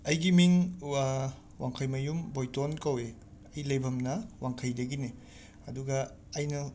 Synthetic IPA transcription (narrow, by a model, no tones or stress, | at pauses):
ɐjɡimiŋ | waŋkʰɐjmɐjumbojtonkɐwe | ɐjlɐjbʱɐmnɐwaŋkʰɐjdɐɡini | ɐduɡɐː | jnɐ